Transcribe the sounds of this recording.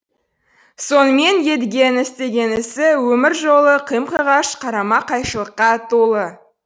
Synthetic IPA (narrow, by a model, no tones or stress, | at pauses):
so̞nəme̞nje̞d̪ɪɡʲe̞nɪst̪e̞ɡʲe̞nɪsɪwɵmɪɾʒo̞lˠəqʰijmqəʁɑʃqʰɑɾɑmɑqʰɑjʃəlˠəqːɑt̪ʰolˠə